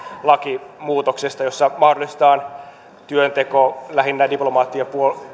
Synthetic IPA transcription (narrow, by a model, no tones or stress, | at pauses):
lɑkimuːt̪oksest̪ɑjo̞sːɑmɑhdolˑist̪ɑːn | t̪yønt̪ekolæhinːædiplomɑːt̪ːiɑpuol